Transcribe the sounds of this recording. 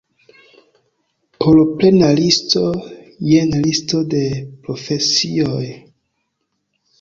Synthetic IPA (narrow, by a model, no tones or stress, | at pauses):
pʰolople̞nalisto | jenlisto̞de̞pɾofesioj